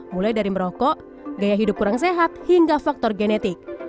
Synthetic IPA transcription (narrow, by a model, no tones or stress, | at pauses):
mulajdaɾiməɾɔkɔʔ | ɡajaɦidup̚kuɾaŋs̬eɦat̪̚hiŋɡafak̚t̪ɔrɡenɛt̪ɪk̚